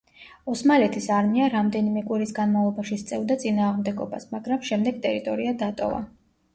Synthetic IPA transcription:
ɔsmalɛt̪ʰisaɾmiaɾamd̪ɛnimɛkʼwiɾisɡanmavlˠɔbaʃist̪sʼɛvd̪at̪sʼinaːʁmd̪ɛɡɔba̰smaɡɾamʃɛmd̪ɛɡ̚t̪ʼɛɾit̪ʼɔɾiad̪at̪ʼɔ̰va̰

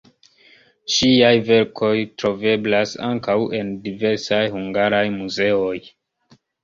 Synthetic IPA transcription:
ʃiajve̞ɾkʰo̞jtɾo̞ve̞blasa̰ŋkawe̞ndive̞ɾsajhuŋɡaɾajmuze̞o̞j

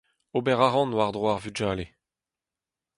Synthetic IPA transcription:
obɛʁaʁɑ̃nwaʁd̪ʁwaʁvyd͡ʒaːle

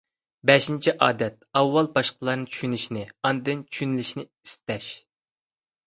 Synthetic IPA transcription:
bɛʃint͡ʃʰiʔɑːd̪ɛt̪̚ɑwːɑlˠbɑʃqəlˠɑɾnɨŋt͡ʃʰy̥ʃynyʃinɪɑnd̪ɨnt͡ʃʰy̥ʃynɪlɪʃinɪ | i̥st̪ɛʃ

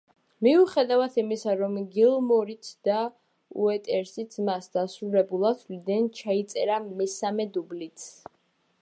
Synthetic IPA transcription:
miuχɛd̪avat̪ʰimisaɾɔmɡilˠmɔɾit̪ʰd̪̥a | ṵɛt̪ʼɛɾsit̪sʰmasd̪̥asɾulɛbulˠat̪ʰlid̪ɛnt͡ʃʰait̪sʼɛɾamɛsamɛd̪ublit̪sʰ

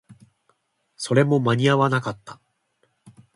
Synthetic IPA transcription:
so̞ɾe̞mo̞maɲ̟iaβanakat̪ːḁ

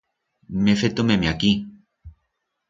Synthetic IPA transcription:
mefet̪omemĩaki

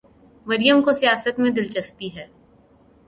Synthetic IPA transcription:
mɐɾijəmkosijaːsət̪mẽd̪ɪlt͡ʃɐspiɦɛː

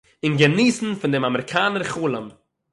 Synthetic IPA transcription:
ɪnɡəniːsn̩fɪndɪmamɛɾɪkʰaːnəɾχuːlˠəm

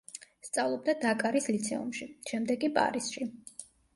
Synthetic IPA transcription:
st̪sʼavlˠɔb̚d̪ad̪akʼaɾislit̪sʰɛ̰ṵmʃiʃɛmd̪ɛkʼipʼa̰ɾisʃi

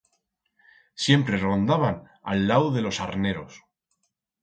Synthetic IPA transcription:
sje̞mpɾe̞rond̪aβan | a̰lːawðe̞lo̞saɾne̞ɾo̞̰s

